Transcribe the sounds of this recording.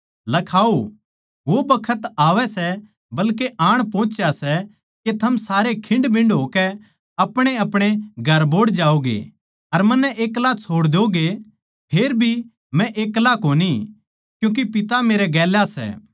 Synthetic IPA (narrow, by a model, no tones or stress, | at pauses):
lɐkʰaːo | ʋobɐkʰət̪aːʋɛsɛ | bɐlkeʔaːɽ̃põːt͡ʃjasɛ | ket̪ʰɐmsaːɾekʰɪ̃ɳɖbʱɪ̃ɳɖɦoːkɛ | ɐpɽ̃eɐpɽ̃eɡʱɐɾboːɽd͡ʒaːoɡḛ | ɐɾmɐ̃nːɛʔeːklat͡ʃʰoːɽd̪eoɡe | pʰeːɾbʱi | mɛ̃ʔeːklakoːni | kjũːk̬ipɪt̪ameːɾɛɡɛːlasɛ̰ː